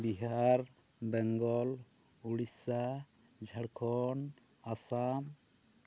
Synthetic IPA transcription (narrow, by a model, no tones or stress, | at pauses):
biɦaɾ | bɛŋɡɔl | uɽisa | d͡ʒʱaɽkʰɔn | asam